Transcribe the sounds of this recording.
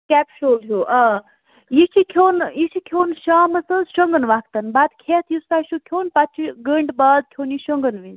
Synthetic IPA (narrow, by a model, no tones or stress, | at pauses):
kɛpʃoːlɦuʔa | jit͡ʃʰikʰoːnjiʃʰikʰjoːnʃaːmɐsəzʃəŋɡənʋakt̪ɐnbad̪kʰet̪ʰjustaʃukʰoːnpɐt͡ʃʰiɡəɳɖbaːd̪̚kʰoːniʃəŋɡənʋiz